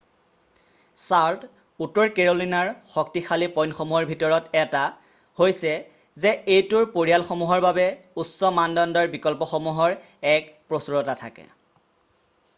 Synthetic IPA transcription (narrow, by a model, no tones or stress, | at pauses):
saɹt | utːɔɹkeɹolinaɹxɔk̚tixʰalipɔjnxomuɦɔɹbʱitɔɹɔtɛta | hojsɛ | zɛejtʊɹpoɹialxomuɦɔɹbabɛusɔmandɔndɔɹbikɔlpɔxomuɦɔɹ | ɛkpɹosuɹɔtatʰakɛ̰